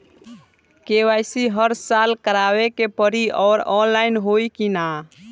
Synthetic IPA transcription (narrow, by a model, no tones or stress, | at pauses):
keʋajsiɦəɾsalkəɾaʋekepəɾiʔɔːɾɔnlainɦojkina